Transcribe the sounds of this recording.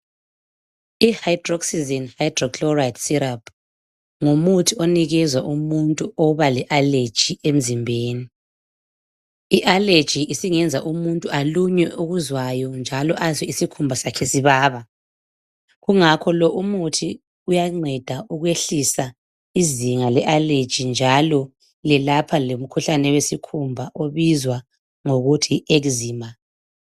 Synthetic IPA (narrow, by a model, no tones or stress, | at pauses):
ihajdrɔksizinhajdrɔkʰlɔratsiɾapʰ | ŋomutʰiɔniɣɛzwaʔumuntʼuʔɔβalɛʔaled̥ʒ̥ʱiem̩zimbʱeːni | iʔale̥ʒ̥ʱiʔisiŋɛnd͡zʱaʔumuntʼuʔaluɲɛuɣuzwajɔnd͡ʒʱalɔʔazwɛisikʰumbʱasakʰesiβaːβa | ɣuŋakʰɔlɔʔumutʰi | ujaŋ͡ǀʱɛd̥ʱauɣweɬisa | iziŋalɛʔaled̥ʒ̥ʱind͡ʒʱalɔ | lɛlapʰalom̩kʰuɬanɛwesikʰumbʱaʔoβizwa | ŋoɣutʰiʔeɣuziːmbʱa